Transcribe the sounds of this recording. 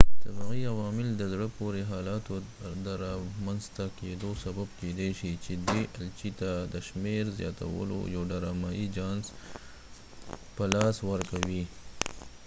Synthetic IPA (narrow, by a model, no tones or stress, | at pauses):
t̪əbaɣiawɑːmɪld̪əzɽəpoɾeɦɑːlɑt̪od̪əɾɑmanzt̪aked̪osababked̪eʃit͡ʃed̪wiʔalt͡ʃit̪ad̪əʃmeɾzjɑ̰ːt̪a̰wə̰lo̰jawɖaɾɑmɑid͡ʒɑns | pəlɑswəɾkawi